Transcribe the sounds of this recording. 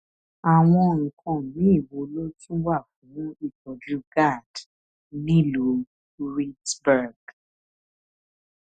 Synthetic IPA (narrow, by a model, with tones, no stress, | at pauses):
a˨w̃ɔ̃˧ŋ̩˨kʰã˧˨mĩ˨˦i˦˨wo˧lo˦tĩ˦wa˦˨fũ˨˦i˦˨tɔ˨d͡ʒu˦ɡa˦˨d̥ | nĩ˦lo˨˦ | ɾi˦tbɛ˦˨ɡ